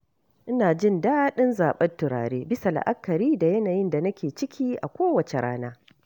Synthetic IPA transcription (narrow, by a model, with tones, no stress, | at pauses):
ʔɪ˦naː˨d͡ʒɪ˦ndaː˦ɗɪ˦nzaː˨ɓɐ˦ntʊ˨ɾa̰ː˨ɽeː˦bɪ˦sa˨la̰˨ʔa˦kːɐ˨ɾiː˦da˨jɐ˦naː˨jɪ˦nda˨nɐ˦kʲeː˨t͡ʃɪ˦kʲʰiː˦ʔa̰˨kʷoː˦wɐ˨t͡ʃe˨ɾa̰ː˦naː˦